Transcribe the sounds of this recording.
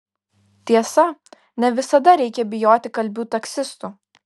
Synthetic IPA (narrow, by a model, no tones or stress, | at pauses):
t̪ʲiɛsɐ | nʲɛʋʲɪsɐd̪ɐɾʲɛɪkʲɛbʲɪjoːt̪ʲɪkɐlʲbʲuːt̪ɐksʲɪst̪uː